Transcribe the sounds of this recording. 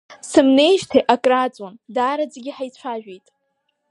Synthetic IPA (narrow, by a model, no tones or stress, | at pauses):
sɨmne̞jʒtʰeʔakʼrat͡sʼwandaɾad͡zɡʲiħajt͡sʷʰaʒᶣejtʼ